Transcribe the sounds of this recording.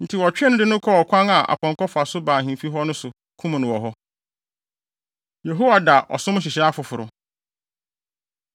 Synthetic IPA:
n̩˨tʰɪ˨wɔ˨t͡ɕᶣɪ˦ɛ˦nʊ̃˦dɪ˦nʊ̃˦kʰɔ˦ɔ˨kʷʰã˦na˨ʔa̰˨pʰɔ̃˨ŋ˨kʰɔ˦fʊ˨a˨sʊ˦bãː˨ɦĩ˨fi˦ɦɔ˦nʊ̃˦sʊ˨ | kʰũ˦m̃˨nʊ̃˨wɔ˨ɦɔ˦ | je˨ɦo˦wa˨da˨ʔɔ̰˨sʊ̃˦m̃˦ɕ̬ɪ˨ɕɛ˦a˦fʊ˨fʊ˨ɾʊ̰˨

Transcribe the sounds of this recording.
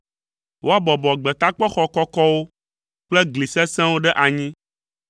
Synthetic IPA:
wʔo˦a˦bɔ˨bɔ˨ɡ͡bɛ˨t̪a˦k͡pɔ˦xɔ˨kɔ˦kɔ˦wo˦ | k͡plɛ˦ɡli˨sɛ˦sɛ̃˦wo˦ɖɛ˦ʔa˨ɲĩ˦

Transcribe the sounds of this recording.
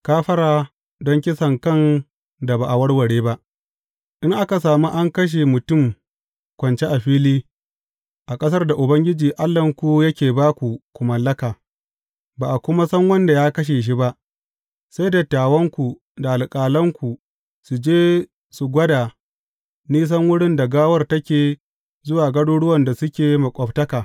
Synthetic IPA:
kaː˦ɸɐ˦ɾaː˨ | dɔ˦ŋkʲɪ˦sɐ˨ŋkɐ˦n | da˨baː˨ʔa˨wɐ˦ɽwɐ˨ɽeː˦ba˦ʔ | ʔɪ˦ŋʔa˦ka˨saː˨mu˦ʔa˦ŋkɐ˦ʃ̬e˨mʊ˨tʊ˦˨m | kʷɐ˨nt͡ʃe˦ʔa˨ɸiː˦liː˦ | ʔa˨kʼɐ˦s̬ɐ˦rda˨ʔʊ˨bɐ˦ŋɡʲɪ˦d͡ʒiː˨ʔa˦lːɐ˨ŋkʷu˦jɐ˦kʲeː˨baː˦kʷu˨kʷu˨mɐ˨lːɐ˦kaː˨ | baː˨ʔa˨kʷʊ˦ma˦sɐ˦ŋwɐ˦nda˨jaː˦kɐ˦ʃ̬eː˨ʃ̬i˦ba˦ʔ | sa˦jda˨taː˨wɐ˦ŋkʷu˨ | da˨ʔa˨lkʼaː˨lɐ˦ŋkʷu˨ | su˨d͡ʒeː˦ | su˨ɡʷɐ˦daː˨ | niː˦s̬ɐ˦ŋwʊ˦ɽɪ˦nda˨ɡaː˦wɐ˦rtɐ˦kʲeː˨ | zʊ˦waː˨ɡɐ˦ɽoː˦ɽʊ˦wɐ˨nda˨sʊ˦kʲeː˨mɐ˨kʷʼɔ˨ptɐ˦kaː˨

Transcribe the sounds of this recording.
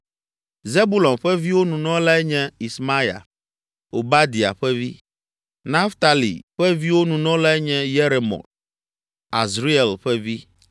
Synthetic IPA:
ze˦bu˦lɔ˨mɸɛ˦vi˦wo˦nũ˨nɔ̃˦la˦ɛ˦ɲɛ̃˦i˨sma˦ja̰˨ | o˨ba˦d̪i˨a̰˨ɸɛ˦vi˦ | na˦ft̪a˨lḭ˨ɸɛ˦vi˦wo˦nũ˨nɔ̃˦la˦ɛ˦ɲɛ̃˦je˦ɾe˨mɔ̰̃˨ | a̰˨zɾi˦ɛ˨lɸɛ˦vi˦

